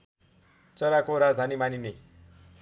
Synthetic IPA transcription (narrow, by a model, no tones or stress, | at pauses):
t͡sʌɾakoɾad͡zd̪ʱanimanini